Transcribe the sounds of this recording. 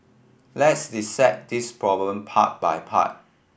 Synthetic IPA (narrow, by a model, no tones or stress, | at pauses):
lɛtsdisɛk̚dispʰɹɔblə̃mpʰa̰t̚ba̰jpʰa̰t̚